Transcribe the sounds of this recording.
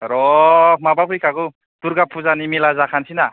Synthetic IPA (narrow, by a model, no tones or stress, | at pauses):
ɾɔmabakʰujkʰaɡu | t̪uɾɡapʰuzanimilazakʰansina